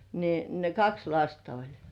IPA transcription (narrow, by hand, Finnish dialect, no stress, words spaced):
niːn ne kɑks lɑstɑ olʲ